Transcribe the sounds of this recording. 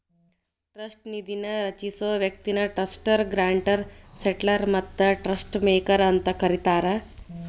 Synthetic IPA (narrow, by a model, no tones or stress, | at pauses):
ʈɾəsʈnid̪inaɾət͡ɕisoʋjək̚t̪inaʈəsʈəɾɡɾaɳʈəɾseʈlaɾmət̪ːəʈɾəsʈmekəɾənt̪əkəɾit̪aɾa